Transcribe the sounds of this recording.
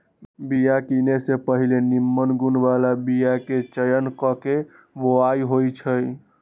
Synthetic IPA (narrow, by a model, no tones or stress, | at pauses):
bijakinesepəɦilenimːənɡunbalabijaket͡ʃəjənkɔke | boajɦojt͡ʃʰəj